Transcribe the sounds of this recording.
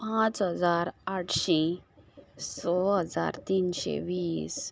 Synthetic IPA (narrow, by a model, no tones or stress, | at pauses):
pãt͡sɦəd͡zaɾaʈʰɕe | sɔɦəd͡za̰ɾt̪iːnɕḛʋiːs